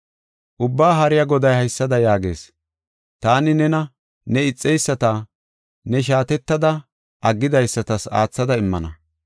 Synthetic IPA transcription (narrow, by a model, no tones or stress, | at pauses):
ʔʊbːaːɦɐɾɪjɐɡɔd̪ɐjhɐjsːɐd̪ɐjaːɡe̞̰ːs | t̪aːnɪnɛnɐ | nɛɪt͡sʼːɛjsːɐt̪aː | nɛʃ̬aːt̪ɛt̪ːɐd̪ɐ | ʔɐɡːɪd̪ɐjsːɐt̪ɐsa̰ːt͡sːɐd̪ɐɪmːɐnɐ